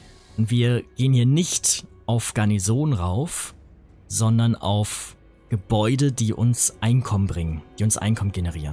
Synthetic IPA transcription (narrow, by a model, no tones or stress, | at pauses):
ʊntv̥iːɐɡ̥eːənhiːɐnɪçtʔaʊfɡ̥aɐnizoːnʁaʊf | z̥ɔndɐna̰ʊf | ɡ̥əbɔʏdədiːʔʊ̰nsʔaɪnkʰɔmənbʁɪŋənd̥iːʊnsʔa̰ɪnkʰɔmənɡenəʁ̞iːʁən